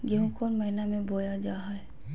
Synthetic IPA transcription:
ɡeɦũkoːnməɦinamẽbʱoːjad͡ʒaːɦaɛ

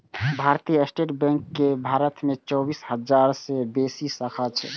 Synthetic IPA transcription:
bʱaɾt̪ijəsʈeʈbɛ̃ŋkːebʱaɾət̪met͡ʃɔbishəd͡ʒaɾsebesisəkʰat͡ʃʰɛ̰

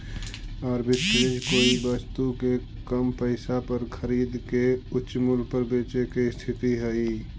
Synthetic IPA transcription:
ɔːɾbɪt̪ɾeːd͡ʒkoːibəst̪uke | kəmpəɪsapəɾkʰəɾiːd̪keʊtːʃmʊlpəɾbeːt͡ʃekest̪ʰɪt̪iɦɛi

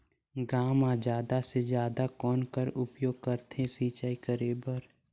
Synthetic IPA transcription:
ɡaːmaːd͡ʒaːd̪ased͡ʒjaːd̪akɔːnkəɾʊpjoːɡ̚kəɾt̪ʰẽsiːt͡ʃaːikəɾeːbəɾ

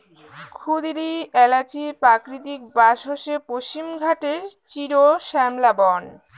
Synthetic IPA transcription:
kʰud̪iɾiɛlat͡ɕipɾakɾit̪ik̚baʃoʃepoʃt͡ɕimɡʱaʈeɾt͡ɕiɾoʃɛmlabɔn

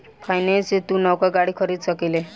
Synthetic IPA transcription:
kʰajnet͡set̪unɔwkaɡaɽiːkʰəɾiːd̪səkile

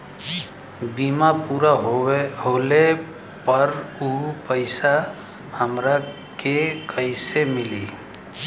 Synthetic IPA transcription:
bimapuːɾaɦɦoːle | pəɾupəɪsa | həmɾa | kekəɪsemɪlḭː

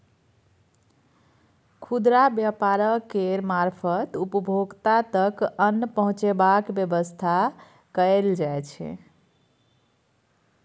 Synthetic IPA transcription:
kʰud̪ɾabjapaɾəkeɾmaɾpʰət̪upəbʱoɡt̪at̪əkənːəpəɦũt͡ʃebakbjəbəst̪ʰa | kəeld͡ʒajt͡ʃʰɛ̰

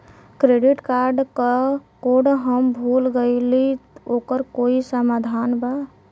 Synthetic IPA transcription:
kɾeɖiʈkaɾɖkəkoɖɦəmbʱulɡəɪliokəɾkoisəmad̪ʱanba

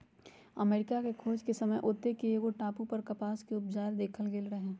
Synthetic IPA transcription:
ɐ̰meːɾɪkakekʰoːd͡ʒkesɐməjʔʊt̪ːekeeɡoʈaːpupɐɾkɐpaːskeʊpd͡ʒaːɾd̪eːkʰəlɡeːlɾɐɦẽː

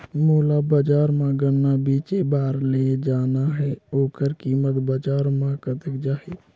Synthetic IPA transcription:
muːlabəd͡ʒaːɾmãɡənːabit͡ʃebaːɾled͡ʒaːnaɦɛoːkəɾkimət̪bəd͡ʒaːɾmãkət̪əkd͡ʒaːɦe

